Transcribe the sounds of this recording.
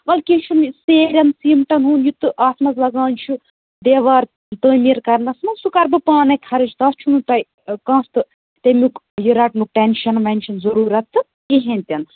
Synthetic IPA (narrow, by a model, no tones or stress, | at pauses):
ʋɐlkit͡ʃʰunseːɾʲɐnsiːmʈɐnɦuːnjut̪ɨʔaːsmɐzlɐɡãːnʲt͡ʃʰu | d̪eːʋaːɾ | t̪əːmiɾkɐɾnɐsmɐnsukɐɾbɨpaːnɐjkʰɐɾɨt͡ʃt̪ɐːst͡ʃʰunut̪ɐj | kãːst̪ɨ | t̪ɐmuk | jiɾɐʈmuk̚ʈenʃɐnmɐnʲʃʰɐnzɐɾuːɾɐt̪ːɨ | iɦẽnʲt̪ʲɐn